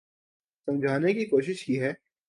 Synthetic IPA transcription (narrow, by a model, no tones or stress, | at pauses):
sɐ̃md͡ʒʱaːnekikoːʃɪʃkiːɦɛː